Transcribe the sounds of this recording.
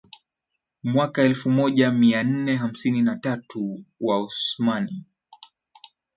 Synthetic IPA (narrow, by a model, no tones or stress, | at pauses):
mwakaɛlfumɔʄamian̩nɛɦam̩sininatatʰuwausmani